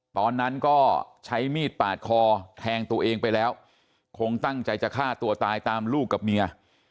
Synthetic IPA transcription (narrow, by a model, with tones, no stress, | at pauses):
t̪ɔː˧nːa˦˥nkɔː˥˩t͡ɕʰa˦˥jmiː˥˩t̪̚paː˨˩t̪̚kʰɔː˧t̪ʰɛː˧ŋt̪u˧ɐʔeː˧ŋpa˧jlɛː˦˥w | kʰo˧ŋt̪a˥˩ŋt͡ɕa˧jt͡ɕa˨˩kʰaː˥˩t̪u˧ɐt̪aː˧jt̪aː˧mluː˥˩kːa˨˩p̚mi˧ɐ